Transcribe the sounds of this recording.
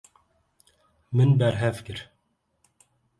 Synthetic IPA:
mɨnbɛɾɦɛvkɨɾ

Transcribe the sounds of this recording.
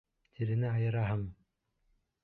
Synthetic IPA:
t̪ʰiɾɘ̆nɘɑjɤ̆ɾɑɦɤm

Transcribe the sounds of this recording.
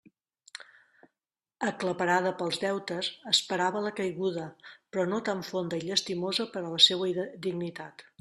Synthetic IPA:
əkləpəɾað̞əpəlˠzðɛwt̪əsəspəɾaβələkəjɣuð̞əpɾɔnot̪aɱfond̪əiʎəst̪imozəpəɾələsewəd̪iɡnit̪at̪

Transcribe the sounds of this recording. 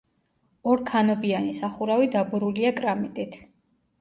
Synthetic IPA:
ɔɾkʰanɔbianisaχuɾavid̪abuɾuliakʼɾamit̪ʼit̪ʰ

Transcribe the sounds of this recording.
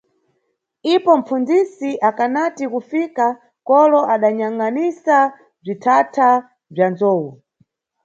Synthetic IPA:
ipɔm̩p͡fund͡zisiʔakanatikufika | kɔlɔʔaɗaɲaŋanisa | b͡ʐitʰatʰa | b͡ʐjanzɔːwu

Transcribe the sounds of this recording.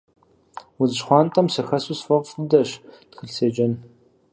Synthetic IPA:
wuzɨʃχʷɑːntʰʼɐmsɨxɐsusfɐqʼfɨdɐɕtxɨɬseːd͡ʒɐn

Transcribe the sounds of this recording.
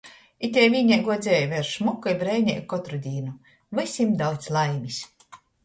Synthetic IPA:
it̪ʲɛjvʲiːɲɛjɡuɔd̪zʲɛːjvʲɛɾʃmukːɔjbɾɛːɲɛ̰jkɔt̪ɾud̪ʲiːnu | vɨsʲimd̪awt̪slˠajmisʲ

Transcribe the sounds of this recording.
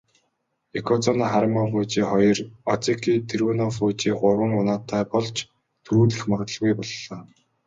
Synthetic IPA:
ekʰɔt͡sɔnːχaɾmafʊːt͡ɕiːχɔjɞ̆rɔt͡sikʰiːt̪ʰerwuːnɔfʊːt͡ɕiːɢʊwə̆ŋʊnaːt̪ʰːæːpɔɮt͡ɕ | t̪ʰuɾuːɮɘ̆xmaʁt̪ə̆ɮɣujpɔɮːaː

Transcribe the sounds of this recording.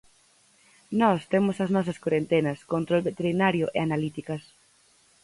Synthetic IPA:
nɔst̪emʊsɐznɔsɐskwoɾent̪enɐskont̪ɾoβet̪eɾinaɾjʊʔḛanalit̪ikɐs

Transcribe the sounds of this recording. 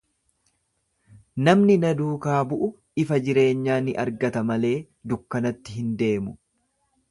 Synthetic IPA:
nɐmnɪnɐd̪uːkaːbʊʔʊ | ɪfɐd͡ʒɪɾe̞ːɲːaːnɪʔɐɾɡɐt̪ɐmɐle̞ː | d̪ʊkːɐnɐt̪ːɪɦɪnd̪e̞ːmʊ

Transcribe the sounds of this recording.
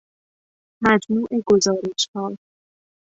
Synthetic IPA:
mæd͡ʒmuːʔeɡo̞zɒːɾe̞ʃhɒː

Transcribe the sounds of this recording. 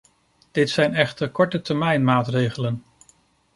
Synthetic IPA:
d̥ɪtsɛjnɛχtəɹkɔɹtətɛɹmɛjnmaːtrejχələn

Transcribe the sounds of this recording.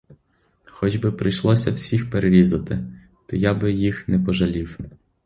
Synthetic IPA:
xɔd͡ʒbɪpɾɪjʃlˠɔsʲɐwsʲixpeɾeɾʲizɐt̪ɪ | t̪ɔjabɪjixnɛpɔʒɐlʲiw

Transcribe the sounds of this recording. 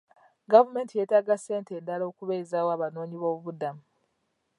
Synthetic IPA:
ɡavume̞ːntije̞taɡase̞ːntendalo̞ːkuβeizaːwoaːβano̞ːɲiβo̞ːβuβudamu

